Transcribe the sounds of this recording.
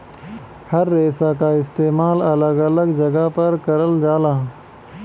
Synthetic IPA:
hɐɾːeːsakaɪst̪eːmaːlɐləɡɐləɡd͡ʒɐɡapɐɾkɐɾəld͡ʒaːlaː

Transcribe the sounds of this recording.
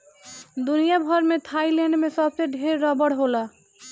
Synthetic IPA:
d̪unijabʱʌɾmet̪ʰailɛ̃ɳɖmesʌbseɖʱeɾːɔbəɽɦola

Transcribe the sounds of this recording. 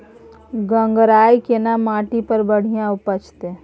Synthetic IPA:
ɡə̃ŋɡɾaːikenamaːʈipəɾbəɽ̤ijãʊpət͡ʃt̪e

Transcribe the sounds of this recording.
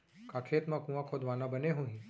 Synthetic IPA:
kakʰeːt̪mãkũʋãkʰod̪ʋanãbəneɦũɦĩ

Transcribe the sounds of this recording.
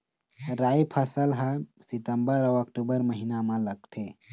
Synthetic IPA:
ɾajpʰəsəlɦãsit̪əmbəɾəʋɐkʈubəɾməɦinamãləɡ̚t̪ʰe

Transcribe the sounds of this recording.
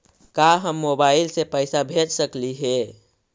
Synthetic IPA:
kaɦəmːobailsepəɪsabʱed͡ʒsəkliɦe

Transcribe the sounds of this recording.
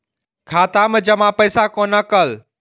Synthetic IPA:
kʰaːt̪aːməd͡ʑɐmãpɐɪsakoːnɐkəl

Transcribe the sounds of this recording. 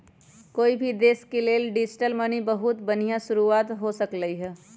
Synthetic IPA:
koːibʱid̪eːskeleːlɖɪd͡ʒʈəlmənibəɦʊt̪bən̤ijãʃʊɾuaːt̪ɦosəkləiɦɛː

